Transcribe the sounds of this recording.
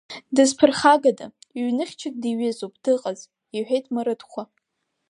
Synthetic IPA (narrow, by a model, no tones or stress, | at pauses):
dɨzpʰɨrχaɡada̰iɥnɨχʲt͡ʃʰɪk̚ʼdiɥɪzopʰʼd̥ɨqʼaz | iħʷᶣejtʼmaɾɨtχʷa